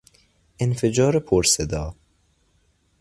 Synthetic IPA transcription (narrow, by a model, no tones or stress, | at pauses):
enfed͡ʒɒːɾepʰoɾsed̪ɒː